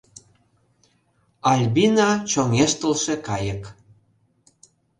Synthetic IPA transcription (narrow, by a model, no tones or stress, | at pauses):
ɑlʲbinɑt͡ɕomeʃt̪əlʃekɑjək